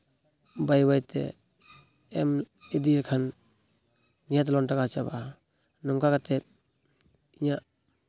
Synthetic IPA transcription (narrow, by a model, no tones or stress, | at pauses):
bajbajtʰɛ̰ | ɛm | edilkʰan | nijat̬lɔntakat͡ʃaba | nɔŋkʰakatɛt̚ | iɲaʔ